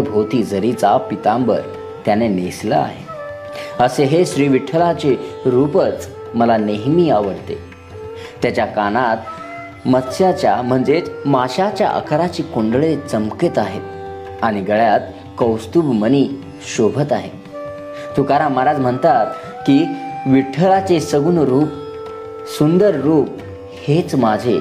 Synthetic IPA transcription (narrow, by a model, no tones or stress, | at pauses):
bʱot̪iːd͡zəɾiːt͡sapit̪ãmbə̰ɾ | t̪janeneslə̰a̰ɦe | əseɦeɕɾiːʋiʈʰəlat͡ɕeɾupət͡s | məlaneɦmiːaʋəɽt̪ḛ | t̪jat͡ɕjakanat̪ | mət̪ɕjat͡ɕjam̤əɳd͡zet͡smaɕat͡ɕja̰ʔə̰kʰɾat͡ɕiːkoɳɖɭet͡səmkit̪aɦet̪ | aɽ̃iɡəɭjat̪ | kəwst̪ubməniː | ɕobʱət̪aɦḛ | t̪ukaɾaməɾad͡zm̤əɳt̪at̪ | kiʋiʈʰəɭat͡sesəɡuːnɾuːp̚ | sund̪əɾɾuːp̚ | het͡smad͡ʑʱe